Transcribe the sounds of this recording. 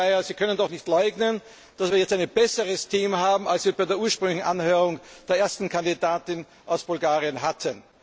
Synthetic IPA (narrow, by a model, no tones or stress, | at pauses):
jaziːkʰœnəndɔχnɪçtlɔʏɡnən | d̥asviːɐjɛt͡staɪnəb̥ɛsəʁəstʰiːmɦaːbm̩alsv̥iːɐbaɪdeːɐʔuːɐʃpʁ̥ʏŋlɪçn̩ʔa̰nhøːʁʊŋd̥eːɐʔeːɐstn̩kʰandidaːtɪn | ʔaʊsb̥ʊlɡaːʁiənɦatʰən